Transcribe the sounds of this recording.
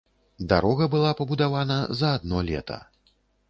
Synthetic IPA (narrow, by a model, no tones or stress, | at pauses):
d̪aɾɔɣɐbɨlˠapɐbud̪avanɐzɐːd̪nɔlʲɛ̰t̪ʰɐ̰